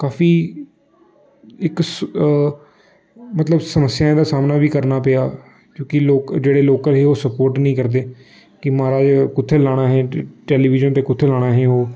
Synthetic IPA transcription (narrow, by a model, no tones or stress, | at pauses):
kaːfiː | ɪks | mət̪ləbsəməsɪjaːẽd̪aːsaːmnaːbiːkəɾnaːpejaː | kjõːkɪloːkd͡ʒeːɽeːloːkəlɦeːoːsəpoːɾʈnəĩːkəɾd̪eː | kɪmaːɾaːd͡ʒkʊt̪ʰːeːlaːɽ̃aːɦɛ̃ːʈɛːliːʋɪd͡ʒənt̪eːkʊt̪ʰːeːlaːɽ̃aːɦẽːoː